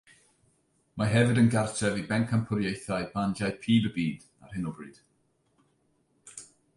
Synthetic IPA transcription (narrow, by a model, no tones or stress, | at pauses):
maɦɛvɨdənɡartʰɛvibɛŋkʰampʰʊɾjejθaɨb̥and͡ʒajpʰiːbəbiːd̥ | a̰r̥hɪnɔbrɨd̥